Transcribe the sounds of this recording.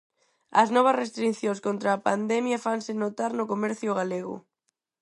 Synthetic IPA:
ɐ̰znɔβ̞ɐsrest̪ɾin̟θjõŋskont̪ɾaːpand̪ɛmjɐfansɪnot̪aɾnokomɛɾθjʊɣ̞aleɣʊ̰

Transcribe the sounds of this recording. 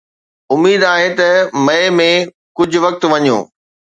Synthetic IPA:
ʊmːiːd̪aːɦet̪ɐmɐemẽ | kʊd͡ʑʱʊ̆ʋɐk̚t̪ʋɐɲo̰ː

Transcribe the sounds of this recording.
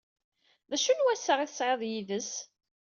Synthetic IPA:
ðæʃunwæsːəʁiθəsʕeðˤjiðəs

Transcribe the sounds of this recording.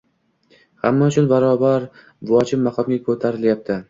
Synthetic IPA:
ha̰mːaʊt͡ʃʰʊnbaɾɒbaɾ | vʊɒt͡ʃʰɪmmːɑqʰɒmɡʲakʰɵt̪ʰaɾɪljap̚t̪ʰɪ

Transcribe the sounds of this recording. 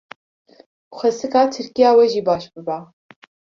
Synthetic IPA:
xʷɛsɨkɑːt̪ʰɨɾkijɑːwɛʒiːbɑːʃbɨbæː

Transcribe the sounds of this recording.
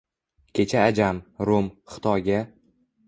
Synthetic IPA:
kʲʰe̞t͡ʃʰaːd͡ʒamɾomχɨ̥t̪ʰɒjɡʲa

